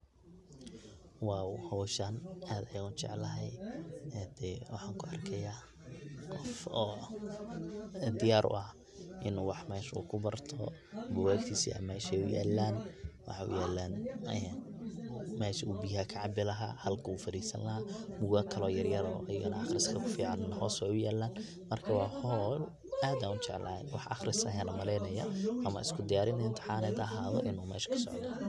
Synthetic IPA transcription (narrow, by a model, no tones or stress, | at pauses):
waːhɔwʃɐnʔaːd̪ɐjɐɣʊnt͡ʃɛ̰ʕlɐɦɛjɛd̪̥ɛwɑħɑːŋkʰʊɐrkʰɛjaː | qɔfɔː | d̪ɪjaːɾʔʊ̰ʔɐh | ʔɪnwɑħmɛːʃṵːkʰʊbɐrt̪ʰɔ̰bʊwaːɡt̪ʰiːsḭɐ̰mɛːʃɛjʊja̰ːlːaːnwɑ̰ħɑʊ̰jaːlːaːnɛ | mɛːʃɐubiːɦaːkʰɐʕɑbɪlɐɦa̰ːhɐlkʰɐuːfɐɾiːsɐ̰nlɐɦaːmʊɣakʰɐlɔːjɐrjɐɾɔ̰ʔɐjɐɣɐnɐʔɑχrɪskʰɐkʰʊfiːʕɑnnɦɔːswɛjʊjaːlːaːn | mɐrkʰɐwɑːhɔl | aːd̪aːnʊt͡ʃɛʕlʔa̰ːnwɑħʔɑχrɪsɐɦanɐmɐlɛjnɐjɐ̰ʔɐmɐ̰ɪskʰʊd̪ɪjaːɾɪnɐɪnt̪ʰɪ̥ħaːnɛːd̪ɐɦaːðɔ̰ʔɪnuːmɛːʃɐ̥kʰɐ̥sɔ̰ʕd̪ɔ